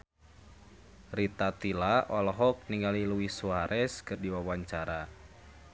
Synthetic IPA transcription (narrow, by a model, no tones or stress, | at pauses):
rit̪at̪ilaʔɔlɔɦɔk̚niŋaliluwisuaɾʔɛskɨrdiwawaɲt͡ʃaɾa